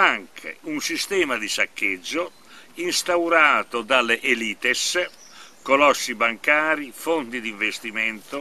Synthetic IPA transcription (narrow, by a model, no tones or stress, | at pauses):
aŋkʰḛunsist̪ɛːmad̪isakʰːed͡ʒːo | inst̪awɾaːt̪od̪aleʔeliːt̪es | kolɔsːibaŋkaːɾifont̪id̪iɱvest̪imɛnt̪o